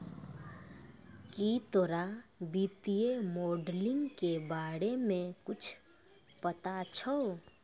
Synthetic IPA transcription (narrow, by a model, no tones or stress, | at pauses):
kit̪oɾabiːt̪ijemɔːɖlɪ̃ŋɡkebaːɽemẽkʊt͡ʃʰ | pət̪at͡ʃʰɔ